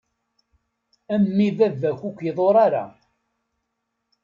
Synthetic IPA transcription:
æmːivævːæçʷukʷːjəðˤoɾˤaɾa̰

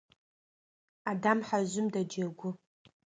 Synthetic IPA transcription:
adamħaʒʷɪmdad͡ʒaɡʷʊ

